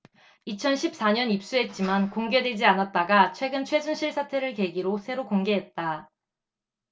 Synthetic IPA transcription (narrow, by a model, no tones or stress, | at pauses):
it͡ɕʰʌnɕʰip̚s͈aɲʌnip̚s͈uɦe̞t̚t͡ɕ͈imankoŋɡe̞dwe̞d͡ʑianat̚t͈aɡat͡ɕʰwe̞ɡɯnt͡ɕʰwe̞sunɕʰiɭsʰatʰe̞ɾɯɭke̞ɡiɾosʰe̞ɾokoŋɡe̞ɦe̞t̚t͈a